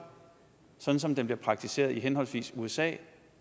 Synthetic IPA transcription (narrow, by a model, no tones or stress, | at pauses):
sɒ̥̽n̩sɒ̽md̥emb̥liɐpʰʁɑ̈ɡ̥̚t͡sʰise̝̰ːɐðˠiɦenɦɒ̽lsʋḭːsuesɛ̰ː